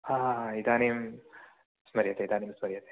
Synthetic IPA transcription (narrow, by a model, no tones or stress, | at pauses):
aid̪aːneːm | smɐɾjɐt̪eid̪aːneːmsmɐɾjɐt̪e̥